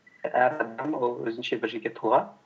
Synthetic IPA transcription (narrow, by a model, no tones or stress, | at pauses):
æɾɑd̪ɑmwolˠwɵ̰zɪnʃebɪɾʒɪ̆ɾɡʲet̪ʰulˠɑ